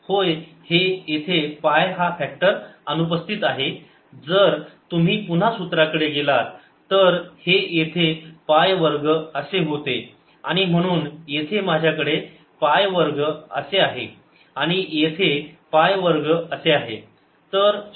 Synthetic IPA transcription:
hojhejet̪ʰepajɦafæk̚ʈəɾənupəst̪ʰit̪aɦe | d͡zəɾt̪um̤iːpun̤asut̪ɾakəɽeɡelaɾ | t̪əɾhejet̪ʰepajʋəɾɡəəseɦot̪e | a̰ɽ̃im̤əɽ̃uːnjet̪ʰemad͡ʑʱjakəɽe | pajʋəɾɡəə̰seaɦḛ | aɽ̃ijet̪ʰepajʋəɾɡəəseaɦḛ | t̪əɾ

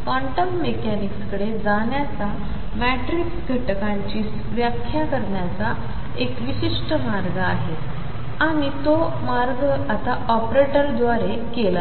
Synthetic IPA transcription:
fɔ̃ɳʈəmːekɛnikskəɽed͡zaɳjat͡sa | mɛʈɾiksk̪əʈkãɲt͡ɕiːs | ʋjakʰːjakəɾɳjat͡sa | ekʋiɕiʂʈəmaɾɡəaɦet̪ | aɽ̃it̪o | maɾɡəat̪aʔɔpɾeʈəɾd̪ʋaɾe | kela

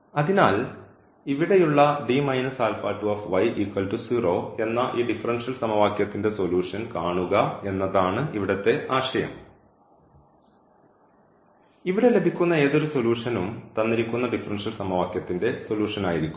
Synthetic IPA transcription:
ɐðinaːl | iʋiɽe̞juɭːɐɖiːmɐjnɐsaːlfaːʈːuɐːfʋɐjʔikːɐlʈusiːroːe̞nːɐʔiːɖifɐrɐnʂɐlsɐmɐʋaːkjɐt̪ːinde̞soluːʂɐnkaːɳuɣɐe̞nːɐðaːɳɨʔiʋiɽɐt̪ːe̞aːʂɐjɐ̰m | iʋiɽe̞le̞bʱikʲːunːɐe̞ːðo̞ɾuso̞ljuːʂɐnumt̪ɐnːiɾikʲːunːɐɖifɐrɐnʂɐlsɐmɐʋaːkjɐt̪ːinde̞so̞luːʂɐnaːjiɾikʲːu

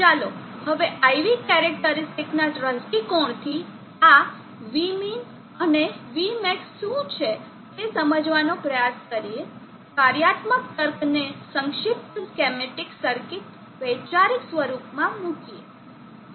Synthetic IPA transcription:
t͡ʃalohəʋeʔajʋikɛɾɛk̚ʈəɾɪsʈiknaʈɾəsʈikoɳt̪ʰi | a | ʋimin | əneʋimɛkʃũt͡ʃʰe | tesəməd͡ʒʋanopɾəjaskəɾie | kaɾjat̪mək̚t̪əɾpnesəŋkʃɪp̚t̪kɛmeʈiksəɾkɪt̪ | ʋəjt͡ʃaɾiksʋəɾupmãmũkie

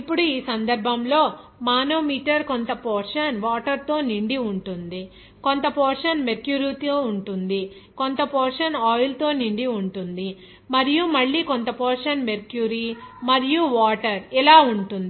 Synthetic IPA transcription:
ipːuɽuiːsɐnd̪ɐɾbʱɐmlo̞ː | maːno̞ːmiːʈɐɾkont̪ɐpoːɾʂɐnʋaːʈɐɾt̪o̞ːniɳɖiuɳʈund̪i | kont̪ɐpɔːɾʂɐnmeɾkjuːɾiːt̪oːuɳʈund̪i | kont̪ɐpoːɾʂɐnɔːjlt̪o̞ːniɳɖiuɳʈund̪i | mɐɾijumɐɭːiːkont̪ɐpɔːɾʂɐnmeɾkjuːɾimɐɾijuʋaːʈɐɾilaːuɳʈund̪i

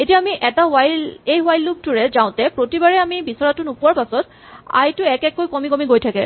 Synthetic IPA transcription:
etiaːmiʔɛtawajlejwajlːub̚tuɹɛzaʊ̃tɛpɹotibaɹɛamibisɔɹatʊnupuwaɹpasɔt | a̰jtʊɛkɛkːojkɔmikɔmiɡojtʰakɛ̰

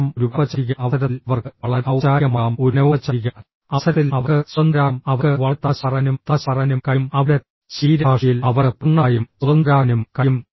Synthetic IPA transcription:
muɾubɐʋɐt͡ɕːɐik̬ʲːɐɐɐɾɐlʋɐrkɐɭɐɾɐwt͡ɕaːjɐmaːmuɾnɐʋɐt͡ɕːɐɾik̬ʲːɐ | ɐsɐɾilɐʋɐɨsɐnd̪ɾaːmɐʋɐɨʋɐt̪ːaɕɐrɐnumt̪aɕɐrɐnumkɐmɐʋle | ɕiːɾɐaːʂijilɐʋɐpuɳːaːjumsud̪ɐnd̪ɾaːnumkɐjum

